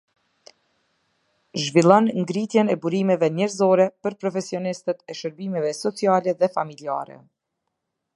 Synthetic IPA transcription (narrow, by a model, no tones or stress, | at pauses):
ʒvilˠɔnŋɡɾit̪jɛnɛbuɾimɛvɛnɛɾzɔɾɛpəɾpɾɔfɛsiɔnist̪ət̪ɛʃəɾbimɛvɛsɔt͡sialɛðɛfamilia̰ɾɛ̰